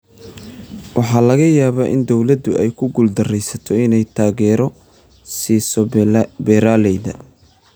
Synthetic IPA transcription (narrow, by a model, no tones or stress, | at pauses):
wɑħɑːlɐɣɐjaːβaːʔɪnd̪ɔwlɐd̪ʊɛjkʰʊɡʊld̪ɐrɛjsɐt̪ʰɔɪnɛjt̪ʰaːɣɛːɾɔ | siːsɔbɛːɾaːlɛjðɐ